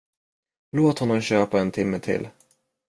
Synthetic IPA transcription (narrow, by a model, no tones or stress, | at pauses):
loːt̪hɔnːɔmɕøːpaɛnt̪ʰɪmːət̪ʰɪ̰l